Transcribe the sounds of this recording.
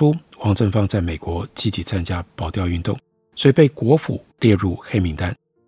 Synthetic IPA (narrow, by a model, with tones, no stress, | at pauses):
u˥ | wɑ˧˥ŋt͡sə˥˧nfɑ˥˧ŋt͡sa˥˩ɪme˨˩ɪkwɔ˧˥t͡ɕi˥t͡ɕi˧˥t͡sʰa˥nt͡ɕja˥pɑ˨˩ʊt̪jɑ˥˧ʊy˥˧nt̪ʊ˥˩ŋ | swɔ˧˥i˨˩pe˥˩ɪkwɔ˧˥fṵ˨˩˦ljɛ˥˧ɻu˥˩xe˥ɪmi˧˥ŋt̪a˥n